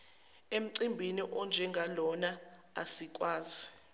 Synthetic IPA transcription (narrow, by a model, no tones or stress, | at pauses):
em̩ǀimbʱiniʔɔnd͡ʒʱɛŋɡʱalɔna | a̰sik̬ʼwaːzi